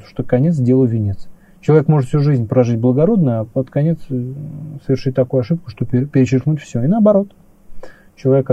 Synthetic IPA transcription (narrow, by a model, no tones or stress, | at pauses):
ʂt̪okɐnʲet̪sdʲelˠəvʲɪnʲet̪s | t͡ɕɪlˠɐvʲekmo̞ʐɨt̪fsʲuʐɨzʲnʲpɾɐʐɨtʲblˠəɡɐɾo̞d̪nəjapət̪kɐnʲet̪ssəvʲɪrʂɨt̚ʲt̪ɐkojʊɐʂɨp̚kʊ̥ʂt̪opʲɪpʲɪɾʲɪt͡ɕɪrknutʲfsʲoɪnəɐbɐɾo̞t̪ | t͡ɕɪlˠɐvʲek